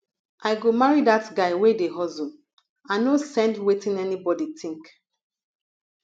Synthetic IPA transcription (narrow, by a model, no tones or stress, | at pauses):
ʔaɪɡomaɹidatɡaɪwedeɦɔzõ | ãnosɛ̃ndwetĩnɛnibɔditʰĩŋk